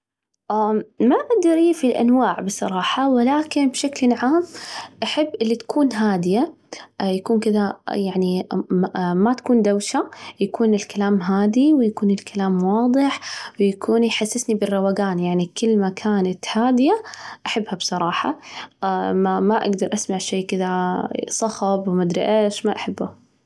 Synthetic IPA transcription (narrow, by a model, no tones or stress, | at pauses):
ʔamaʔaɡ̚d̪ɑɾˤʔiːfilʔa̰nwaːʕbɨsˤɑɾˤɑːħɑwɪlaːkɪnbʃaklʕaːmʔaħabːʔɪlːit̪ḁkuːnɦaːd̪ɪja | jakuːnkɪðajaʕni | mat̪ḁkuːnd̪awʃajakuːnɪlkalaːmɦaːd̪iwɪjakuːnɪlkalaːmwɑːd̪ˤɨħwɪjakʰuːnjħasːɪsnibɪrːɑwaɡaːnjaʕnikɪlːmakʰaːnat̪haːd̪ɪjaʔaħabːhabsˤɑɾˤɑːħɑ̰ | mmaʔa̰ɡd̪ɑɾˤʔasmaʕʃeːkɪðasˤɑɣɑbwmad̪ɾɪʔaːʃmaʔaħabːʊ